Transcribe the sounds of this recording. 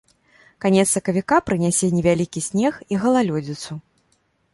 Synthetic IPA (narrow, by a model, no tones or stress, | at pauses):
kanʲɛt̪sɐkɐvʲikapɾɨnʲɛsʲɛnʲɛvʲalʲikʲisʲnʲɛxiɣɐlˠalʲɔd͡zʲit̪su